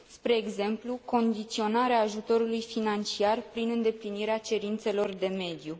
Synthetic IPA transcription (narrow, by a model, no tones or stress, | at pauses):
spɾe̞ːɡze̞mpluko̞nd̪it̪sio̞naɾeaːʒut̪o̞ɾulujfinant͡ʃiarpɾinɨnd̪e̞pliniɾeat͡ʃe̞ɾint̪se̞lo̞rd̪e̞me̞d̪ju